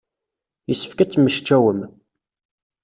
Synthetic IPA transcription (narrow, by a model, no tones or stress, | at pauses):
jəsːə̥fkæt͡sːməʃt͡ʃːæwəm